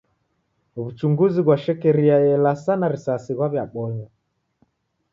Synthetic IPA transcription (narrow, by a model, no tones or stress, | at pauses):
βut͡ʃuŋɡuziɣwaʃɛkɛɾiajɛlasanaɾisasiɣwaβjaɓɔɲa